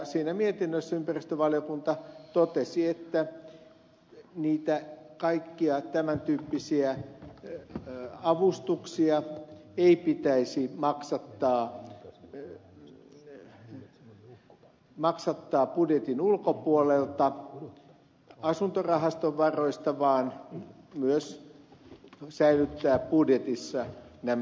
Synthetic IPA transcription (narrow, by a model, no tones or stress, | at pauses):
siːnæmiet̪inːøsːæympærist̪øʋɑljokunt̪ɑt̪ot̪esiet̪ːæ | niːt̪ækɑikːiɑt̪æmænt̪yːpːisiæ | ɑʋust̪uksiɑeipit̪æisimɑksɑt̪ːɑː | mɑksɑt̪ːɑːpudjet̪inulkopuolelt̪ɑ | ɑsunt̪orɑhɑst̪oʋʋɑroist̪ɑʋɑːn | myøs | sæilyt̪ːæːppudjet̪isːɑnæm